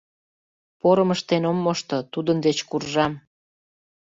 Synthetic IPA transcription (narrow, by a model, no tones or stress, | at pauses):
poɾəməʃt̪enomːoʃt̪ot̪ud̪ənd̪et͡ɕkurʒɑm